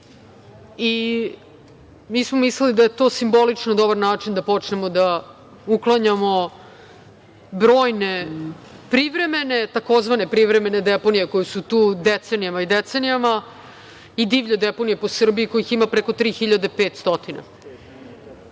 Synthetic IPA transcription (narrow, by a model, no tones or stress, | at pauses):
i | miːsmomislelid̪ajet̪o̞ːsimbo̞lit͡ʂnod̪o̞baɾnaːt͡ʂind̪apo̞t͡ʂnemo̞d̪a | uklˠaɲamo̞ | bɾo̞ːjne̞pɾiʋɾe̞menet̪ako̞zʋane̞pɾiʋɾeme̞ne̞d̪epo̞nijeko̞jusut̪uːd̪et̪senijamaid̪et̪senijama | id̪iːʋʎod̪epo̞nijepo̞sr̩biiko̞jiximapɾeko̞t̪ɾiːxiʎad̪epeːt̪st̪o̞t̪ina̰